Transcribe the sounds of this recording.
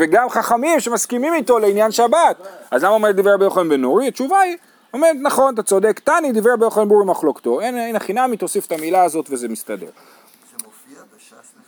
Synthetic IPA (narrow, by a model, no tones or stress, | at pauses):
veɡamχaχamimʃe̞maskimimit̪o̞le̞injanʃabat̪azlamaomeʁt̚d̪ivʁebejoχalimbenoʁiat͡ʃuvai | omeʁetnaχo̞nt̪̬at͡so̞d̪e̞kt̪anid̪ivebejoχalimbuʁimaχlo̞kt̪o̞enenaχinamit̪osife̥tamilaːzo̞tveze̞mist̪ade̞̰ʁ